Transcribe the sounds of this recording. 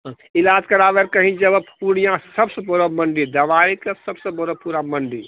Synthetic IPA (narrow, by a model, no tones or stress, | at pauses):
ɦ | ilaːd͡ʒkəɾaʋeɾkəɦĩd͡ʒəbppuɽijãsəbsəboɾəməɳɖid̪əʋaikesəbsəbəɾəpuɾaməɳɖi